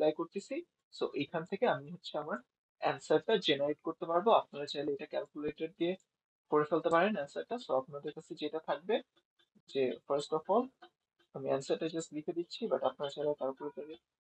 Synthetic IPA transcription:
lajkoɹt̪esi | soʔejkʰant̪ʰekeamiɦotːɕʰɛamaɹ | ɛ̰nsaʈːad͡ʑenaɹeʈkoɹt̪epaɹboapnaɹat͡ɕajleejakɛlkjuleʈaɖ̚d̪ie | koɹefelt̪epaɹenɛnsaʈːasoapnad̪eɹkasʰed͡ʑejtat̪ʰak̚be | d͡ʑefʰaɹsʈɔfɔl | amiɛnsaad͡ʑaslikʰed̪itːɕʰibaʈapnaat͡ɕajlakaɹokoɹetaɾe

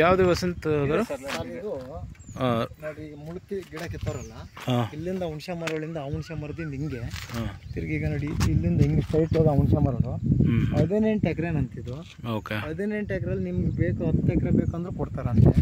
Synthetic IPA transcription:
jaːʋd̪eʋɐsɐnt̪ːd̪ɐɾd̪uanoːɽimuɭt̪ːiɡiɽɐkit̪ːɐɾɐlːaaːilːind̪ɐuɳʃamaɾʋɐɭind̪ɐːuɳʃamaɾd̪inimɡe̞at̪iɾɡiːɡɐnoːɽiilːind̪ɐɦiŋɡliʂʈɐjʈːid̪auɳʃamaːɾoɽuɐd̪eneːɳʈekɾenɐnt̪id̪u | oːkeɐd̪eneːɳʈekɾɐlːnimɡebeːkuɐd̪t̪ekɾebeːkɐnd̪ɐɾekɔɽt̪aɾɐnt̪e

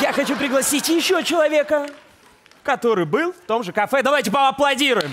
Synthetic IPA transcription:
jaxɐt͡ɕupɾʲɪɡlˠɐsʲitʲjɪɕːot͡ɕɪlˠɐvʲe̞kə | kɐt̪o̞ɾɨjbɨlˠft̪o̞mʐɨkɐfɛd̪ɐvajtʲɪpəɐplˠɐdʲiɾʊjɪm

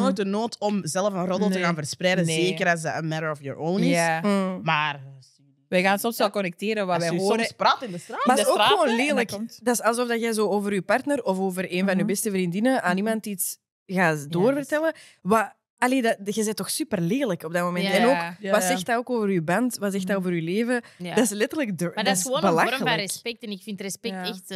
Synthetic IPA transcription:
odənoːtɔmzɛləfənrɔdəlˠtəɣaːnvərspɾɛjdəzeːkəɾas̬əənmɛɾəɹɔfjɔ̰ɹownɪsmaːr | ʋɛɣaːnsɔmsʋɛlˠkɔnɛk̚teːɾənʋaɛɦoːspratɪndəsaːmadoːxxəoːnleːləkdɑsɑlˠzɔfdaxɛjzoːoːvəɾywpɑrtnərɔfoːvəɾeːnvɑnyːbɛstəvrindɪnəaːnimɑntits | ɣaːtdoːrvərtɛlə | ma | aleːdaɣəzɛjtːɔxsypərleːləkɔb̚datmomɛntɛnoːkʋazɛxtaoːkoːvəɾybɑntʋatsɛxtdaoːvəɾyleːvədaɪslɛtərləkdmadsəoːnbəlaxlaɛspɛk̚tɛnɪkfintrɛspɛtɛxt

